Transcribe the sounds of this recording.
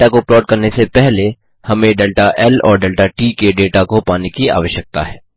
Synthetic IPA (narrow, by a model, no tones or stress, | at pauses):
ʈakoplɔːɖ̚kɐɾnesepɛɦle | hɐmẽɖeːlʈaʔɛːlɔ̰ːɾɖeːlʈaʈiːkeɖeːʈakopaːnekia̰ːʋəʃjək̚t̪a̰ɦɛː